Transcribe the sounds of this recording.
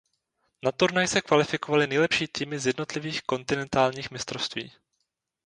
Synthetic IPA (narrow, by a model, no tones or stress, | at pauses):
nat̪uɾnajsɛkvalɪfɪkovalɪnɛjlɛpʃiːt̪iːmɪzjɛdno̞t̪lɪviːxko̞nt̪ɪnɛnt̪aːlɲiːxmɪst̪ɾofst̪vḭː